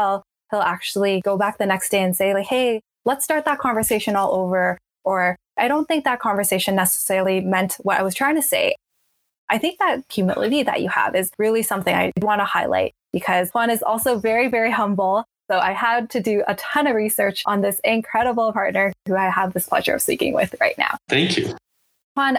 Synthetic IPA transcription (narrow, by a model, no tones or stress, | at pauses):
lˠ | hɪlˠæk̚t͡ʃul̩ˠiɡoʊbæk̚ðɨnɛksd̥eɪɨ̃nseɪlaɪkheɪ | lətstɑɹt̪̚ðət̚kʰɑ̃ɱvə˞seɪʃɨ̃nɔlˠʔoʊvə˞ | ə˞ | ʔaɪɾõʊ̃nθɪ̃ŋk̚ðət̚kʰɑ̃ɱvə˞seɪʃɨ̃nːɛsə̥sɛɹl̩ˠimɛ̃ntwʌɾa̰ɪwʌz̥tʰɹ̥aɪɪ̃ŋtʰɨseɪ | ʔaɪθɪ̃ŋk̚ðɨt̚kʰjɨmɪ̰lˠɨ̰ɾiðɨ̰t͡ʃɨ̰ə̰vɨzɹɪlˠisʌ̃mθɪ̃ŋa̰ɪd̚wɑ̃ntəhaɪlˠa̰ɪt̚b̥ɨkʰʌz̥ʰwʌ̃ñɨzɔ̰lˠsoʊvɛɹivɛɹihʌ̃mbl̩ˠ | soʊʔa̰ɪəd̚tʰɨdɨətʰʌ̃nʌvɹisɜ˞t͡ʃn̩ðɪsɪ̃nkʰɹ̥ɛɾəbl̩ˠpʰɑɹtⁿnə˞hʉaɪəvðɪspʰl̥ɛ̰ʒə̰˞ʌ̰v̥spḭkɪ̰̃ŋwɪ̰ð̥ɹaɪtⁿna̰ʊθæ̃ŋkʰjʉ | pʰɑ̃n